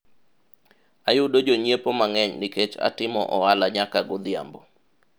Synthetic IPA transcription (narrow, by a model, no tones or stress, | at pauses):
ajʊdod͡ʒoɲepomaŋɛɲnɪket͡ʃa̰tɪmɔ̰ʔɔalaɲakaɡʊd̪ɪa̰mbo